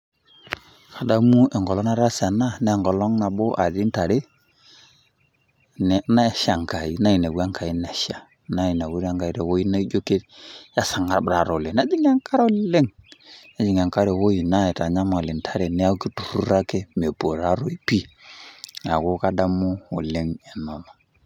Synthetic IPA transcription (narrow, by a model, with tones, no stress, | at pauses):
kʰa˨da˦mu˦ɛ˨ŋɡɔ˨lɔ˦na˦ɾa˦sa˨na˦nɛ˦˨ŋɡɔ˨lɔ˦ŋna˨bo˦ʔa̰˨di˦n˦ta˨ɾe˦ | n˨na˦˨˦ʃa˨ŋka˨i˦na˦i˨na˨wu˦a˦ŋka˨i˦nɛ˨ʃa˨ | na˨˦i˨na˨wu˦ɾa˦ŋka˨i˨˦ɾɛ˨wo˦ji˦na˦i˦d͡ʒo˦ke˦tja˦sa˨ŋa˦ɾbɾa˨ɾo˨le˨na˦d͡ʒi˦ŋa˦ŋka˦ɾle˦ŋ | a˦d͡ʒi˨ŋa˨ŋka˦ɾɛ˨wo˦i˨na˦ɛ˨ta˨ɲa˦mː˨lɪ˨ntʰa˨ɾe˨nɛ˦a˦ki˦tu̥˨ɾu˦ɾa˦ke˦me˨po˨ɾa˦ɾo˦i˦pi˦ | a˨ko˦ka˦da˦mu˦o˨le˦ŋɛ˨nɔ˨nɔ˨